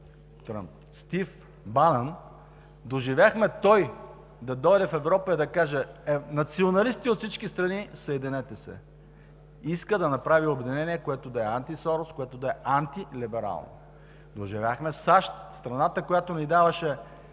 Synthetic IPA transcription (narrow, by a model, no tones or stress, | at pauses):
t̪ɾa̰mp̚ | st̪if | banɐn | d̪oʒivaxmɛt̪ɔj | d̪ɐd̪ɔjd̪ɛfɛvɾɔpəid̪ɐkaʒɛnɐt̪sionɐlist̪iot̪fsit͡ʃkist̪ɾɐnisɐɛd̪inɛt̪ɛsɛ̰ | iskəd̪ɐnɐpɾaviobɛd̪inɛnʲiɛkoɛt̪od̪ɐɛant̪isɔɾoskoɛt̪od̪ɐɛʔant̪ilibɛɾa̰lˠno̰ | d̪oʒivʲaxmɛsaʃt̪st̪ɾɐnat̪əkojat̪onid̪avɐʃɛ